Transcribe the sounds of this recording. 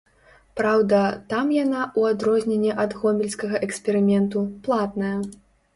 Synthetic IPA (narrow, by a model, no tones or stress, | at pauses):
pɾawd̪ɐt̪amjanaʔuad̪ɾɔzʲnʲenʲːɛʔɐd̪ɣɔmʲɛlʲsʲkɐɣɐʔɛksʲpʲɛɾɨmʲɛnt̪uplˠat̪nɐjɐ